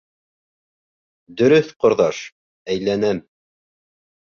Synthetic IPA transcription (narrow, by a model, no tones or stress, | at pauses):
d̪ɵ̆ɾɵθqŏɾðɑʃ | æjlænæm